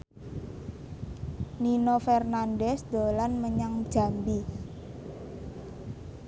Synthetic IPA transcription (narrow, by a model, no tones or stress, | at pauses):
ninofɛrnandɛsd̪̥o̤lanməɲaŋd̥ʒ̥a̤mbi